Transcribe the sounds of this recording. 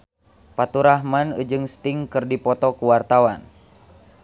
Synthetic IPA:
pat̪uɾaɦmanṵd͡ʒɨŋst̪iŋkɨrdipɔt̪ɔkuwart̪awan

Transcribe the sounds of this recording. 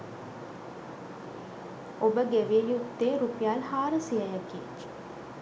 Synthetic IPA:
obəɡeʋiejut̪ːeːɾupijalhaːɾəsiəjəkḭː

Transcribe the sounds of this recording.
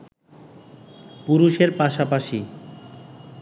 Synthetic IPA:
puɾuʃeɾpaʃapaʃi

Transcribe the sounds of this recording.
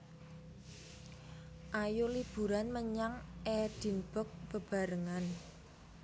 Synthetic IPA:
ʔajolib̥ṳɾanməɲaŋʔɛd̪̥i̤nb̥ɔ̤k̚b̥ə̤b̥a̤ɾəŋan

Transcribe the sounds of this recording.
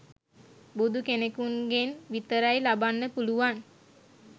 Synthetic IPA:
bud̪ukenekuŋɡenʋit̪əɾajlabanːəpuluʋan

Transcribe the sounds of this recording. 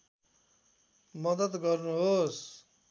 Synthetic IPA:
mʌd̪ʌd̪ɡʌrnuɦos

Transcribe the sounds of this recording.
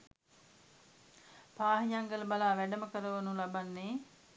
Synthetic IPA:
paːɦiɲaŋɡəlɐbalaːʋæɖɐməkəɾəʋɐnulabanːeː

